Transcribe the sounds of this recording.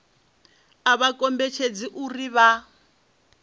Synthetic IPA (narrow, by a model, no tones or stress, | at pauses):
aβakɔmbɛt͡ʃʰed͡ziʔuriβa